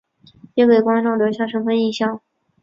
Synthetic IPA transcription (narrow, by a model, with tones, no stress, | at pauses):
jɛ˥ke˨˩kwɑ˥nʈ͡ʂɑ˥˩ŋljo˧˥ɕjɑ˥˩ʂɤ˥ŋpʰə˧˥ni˥˩ɕjɑ˥˩ŋ